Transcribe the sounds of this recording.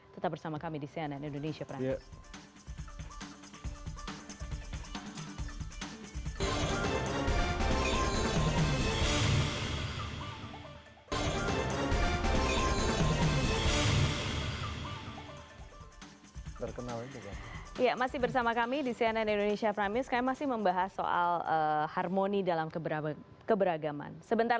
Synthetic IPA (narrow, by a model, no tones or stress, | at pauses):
t̪ət̪ap̚bərsamakamidisiananindonesiapɾa | t̪ərkənalit̪uka̰ijamasɪhbərsamakamidisiɛnɛnindonesiafɾamiskajamasɪhməmbaɦaso̰ʔa̰ləharmonidalamkəbəɾa | kəbəɾaɡama̰nsəbənt̪a